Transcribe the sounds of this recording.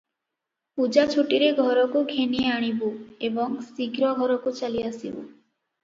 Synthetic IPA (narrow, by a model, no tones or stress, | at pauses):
pud͡ʒat͡ʃʰuʈiɾeɡʱɔɾɔkuɡʱenieaɽ̃ibuebɔŋsiɡɾɔɡʱɔɾɔkut͡ʃaliasibṵ